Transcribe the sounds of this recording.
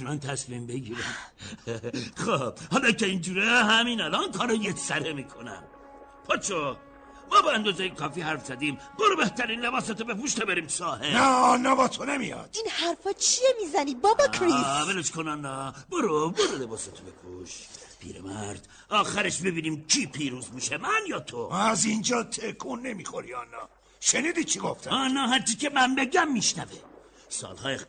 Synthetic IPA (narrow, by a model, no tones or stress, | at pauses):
t͡ʃʰunant̪ʰæsmimbeɡiːɾæn | xobhɑːlɒkeiːnd͡ʒuːɾeɦæmiːnælɛɔnkʰɒːɾɑjesæɾemikʰonæ̰m | pʰɑt͡ʃʰo | mɒːbeænd̪ozejekʰɒːfiːhæɾfz̥æd̪iːm | boɾobeht̪ʰæɾiːnlebɑːset̪obepuʃt̪ebeɾiːmsɑːhenæɒnːɒbɒt̪ʰonemijɒ̰ːd̪̥inhæɾfɒt͡ʃʰiemizænibɒbɒkʰɾibelet͡ʃkʰonanːɑboɾoboɾolebɒːset̪ʰobekʰuʃpʰḭːɾḛmæ̰ɾd̪̥ | ɒːxæɾeʃbebiːniːmcʰiːpʰiːɾuːzbuʃemænjɒːt̪ʰoæzind͡ʒɒːt̪ʰekʰunːe̞mixoɾiɒːnːɒ̰ː | ʃeniːd̪it͡ʃʰiɡo̞ft̪ʰæɒːnɒːɦæɾt͡ʃʰiːkemænbeɟæmːiʃnæve | sɒ̰ːlhɒːje